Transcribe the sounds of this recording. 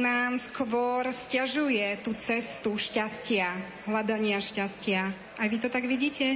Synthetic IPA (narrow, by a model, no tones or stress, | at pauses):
naːmskʋɔɾscaʒujɛt̪uːt͡sɛst̪uʃcascɪa | ɦlad̪aɲɪaʃcascɪa | ʔajʋit̪ɔt̪aɡʋiɟiːcɛ